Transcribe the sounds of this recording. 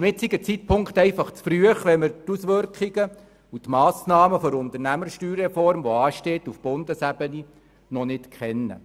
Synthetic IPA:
mɪtsiɡət͡sit̚pʰʊŋkχtɛɪfɑχt͡sfryəχʋɛmɪɾtusʋʏɾkχiɡə | utmɑːsnɑːməfɔɾʊnt̪əɾnæməɾʃtyːɾɛfɔrmʋɔɑːʃteːtufb̥ʊnd̥̪əsæbəni | nɔnɪtkʰχɛnːə̰

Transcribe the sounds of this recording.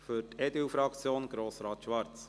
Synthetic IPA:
fyɾtɛd̪ywfɾɑkt͡sjoːnɡ̥ɾoːsɾɑːt̪ʃʋɑɾt͡s

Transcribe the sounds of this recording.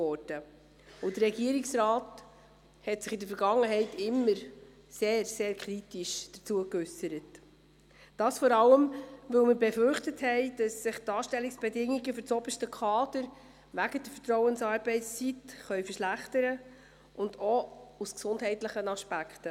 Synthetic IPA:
ɔɾd̥ə | ʊd̥ərɾɛɡiəɾiksɾɑːt | hɛtsɪχidəfəɾɡɑŋːəɦɛɪtɪmːəɾ | seːɾseːɾkʰɾitiʃd̥ət͡suəkʏsəɾət | d̥ɑːsfɔɾɑlːəmʋɵlməbɛfʏɾχtəthɛɪd̥ɑsːɪχtɑːʃtɛlːiksb̥ɛdɪŋːiɡəfʏɾt͡sɔb̥əʃtəkʰχɑːd̥əɾ | ʋæɡ̥əd̥əfətɾɔʊwənsɑːɾbɛɪtst͡sitχœʏfəʃlæχtəɾə | ʔʊndɔusksʊndɦɛɪtləχənɑʃpækχtə

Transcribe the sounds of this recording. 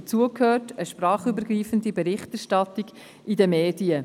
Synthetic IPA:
ət͡suəkʰhøːtəʃpɾɑːχybəɾɡriːfəndibɛɾɪχtæɾʃtɑtiɡ | idəmeːdiə

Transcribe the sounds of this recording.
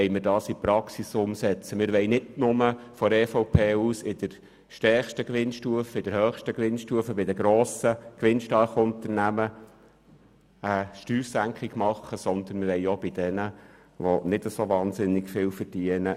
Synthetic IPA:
ɛjmɪɾdɑːsipɾɑksisʊmsɛt͡səmɪɾʋɛɪnɪdnʊməfɔɾɛfoʊpʰeːuːsɪd̥̪əɾ | ʃtɛχʃtəkʋɪnʃtuəfəɪd̥̪əɾhœːχʃtəkʋɪnʃtuəfəbɪdəɡɾoːsəkʋɪnʃtɑɾχʊnt̪əɾnæmə | əʃtyːɾsæŋkχɪɡ̥mɑχəsɔnd̪ənmɪɾʋɛɪob̥ɪd̪̥ɛnə | ʋonɪd̥əsoʋɑːnsɪnːɪɡfɪːlfəɾd̥iːənə

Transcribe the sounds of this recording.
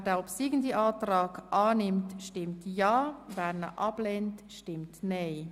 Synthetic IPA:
dɛːɔpsiːɡn̩diʔɑːtrɑːɡʔaːnɪmtʃtɪmtjɑːvɛːɾnə̰ʔɑb̥lɛntʃtɪmtneɪ

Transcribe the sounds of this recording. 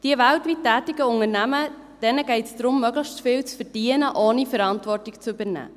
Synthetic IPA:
d̥iəvæltʋitːæːtɪɡ̥əʊŋəɾnæmə | d̥ɛnəɡ̥ɛɪtsd̥ɾʊmːœɡlɪçtfɪːlt͡sfəd̥iənəʔoːnifəɾɑntvɔrtɪkt͡sybəɾnæ̰ː

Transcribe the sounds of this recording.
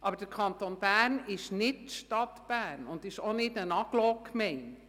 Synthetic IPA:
ʔɑbəɾd̥əɾkʰɑntonb̥ærnɪʃnɪtʃtɑtb̥ærnʊndɪʃonɪtənɑɡ̥lɔːkːmɛɪn

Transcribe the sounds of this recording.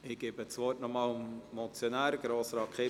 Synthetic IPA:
ɪɡ̥ebət͡sʋɔtnɔmɑːlʊmmɔlt͡sjonæːɾɡ̥ɾoːsɾɑːkχe

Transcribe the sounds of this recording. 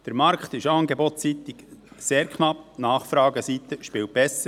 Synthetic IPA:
d̥əɾmɑɾkχt̪ɪʃɑːnɡebɔtːit̪ikseːɾkʰχnɑpnɑːχfɾɑːɡəsit̪əʃpɪːwt̚b̥ɛsə

